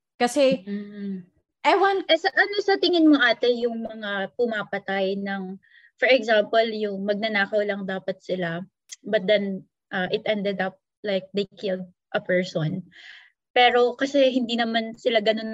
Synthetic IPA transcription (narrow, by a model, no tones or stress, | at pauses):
kɐsɛ | ʔɐjwanɛsɐʔɐno̞sɐt̪ɪŋɪnmoʔaːt̪ɛjʊŋmɐŋapʊmapɐt̪ajnɐŋ | fɔɹɛɡzampoljʊŋmɐɡ̚nɐnaːkɐwlɐŋd̪aːpɐt̪̚sɪla | bɐt̪̚d̪ɛn | ʔɐʔɪt̪̚ʔɛnd̪ɛd̪ɐp̚ | lajk̚d̪ejkɪld̪̚ | ʔɐpɛɹson | pɛːɾo̞kɐsɛɦɪnd̪inɐmansɪlaɡɐno̞n